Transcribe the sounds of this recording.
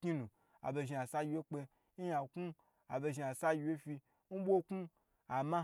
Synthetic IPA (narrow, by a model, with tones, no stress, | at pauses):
kɲi˦nũ˨ | a̰˨be˧ʒi˧a˨sa˦ji˧we˦k͡pe˧˦ | ja˨ku˦ | a̰˨be˧ʒi˧a˨sa˦ji˧we˦fi˧ | m̩˦bʷo˦ku˦ | a˨ma˦